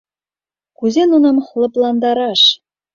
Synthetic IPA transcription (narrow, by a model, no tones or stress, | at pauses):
kuzʲenunɑmχlˠɤ̆plˠɑnd̪ɑɾɑʂ